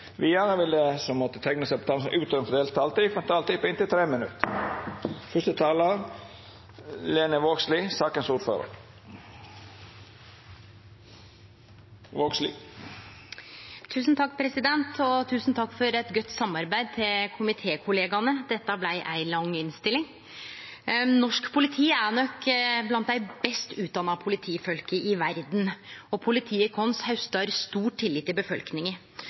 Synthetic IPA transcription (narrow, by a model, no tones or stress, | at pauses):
ʋɪjæːnəʋɪlːəsɔmmɔt̪ːət̪ʰɛŋnəsɛɪpɔt̪ʰɑːlsʔʉːt̪œnfɔd̪eːlt̪ʰɑːlt̪iːfɛnt̪ʰɑːlt̪iːpʰɔɪnt̪ɪlt̪ʰɾeːmənʉ̰t̪ | fœʂt̪ət̪ʰɑːləɾ | leːnəʋoːɡsliːsɑːkənsuːɾfø̰ːɾə̰ɾ | ʋoːɡsli | t̪ʰʉːsnt̪ʰɑk̚ːpʰɾɛsɪd̪ɛnt̪ʰɔt̪ʰʉːsn̩t̪ʰɑkːfɔɾɛt̪ɡœt̪ːsɑmɑɾbæɪd̪̚t̪ʰɪlkʰʊmɪt̪ʰeːkʰʊleːɡɑnəd̪ɛt̪ːɑblæɪʔæɪlɑŋɪnst̪ɪlɪŋ | nɔʂkpʰʊlɪt̪ʰiːæɳɔkblɑnt̪̚d̪æɪbɛst̪ʉːt̪̚d̪ɑnːɑpʰʊlɪt̪ʰiːfœlkəʔɪʋæɾd̪nɔpʰʊlɪt̪ʰiːəkʰɔnshɑʉst̪ɑɾst̪uːʈʈʰːɪlːɪːt̪ːɪbəfɔlknɪŋə